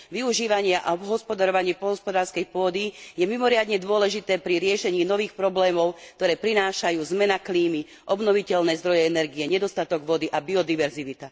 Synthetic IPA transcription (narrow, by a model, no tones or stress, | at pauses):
ʋiuʒiːʋaɲɪaʔa̰ɔbɦɔspɔd̪aɾɔʋaɲɪɛpɔlɦɔspɔd̪aːɾskɛjpʊɔd̪ijɛmimɔɾɪad̪ɲɛd̪ʊɔlɛʒit̪ɛːpɾiɾɪɛʃɛɲiːnɔʋiːxpɾɔblɛːmɔʊkt̪ɔɾɛːpɾinaːʃajuːzmɛnakliːmi | ʔɔbnɔʋicɛlnɛːzd̪ɾɔjɛɛnɛɾɡiɛɲɛd̪ɔst̪at̪ɔɡʋɔd̪iʔabiɔd̪iʋɛɾziʋit̪a